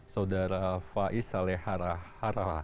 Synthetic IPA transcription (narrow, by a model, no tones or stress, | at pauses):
saudaɾafaʔisalɛhaɾahaɾala